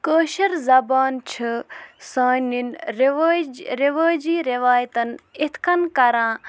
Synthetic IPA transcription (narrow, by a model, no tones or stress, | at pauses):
kəːʃɐɾzɐbaːnt͡ʃʰɨsaːninɾiʋd͡ʒɾiʋaːd͡ʒiːɾiʋaːjt̪ɐnɪt̪ʰkɐnkɐɾãː